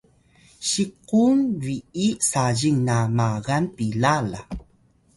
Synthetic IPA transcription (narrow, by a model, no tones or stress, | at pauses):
ɕiqunwiisaʑiŋnamaɣanpilala̰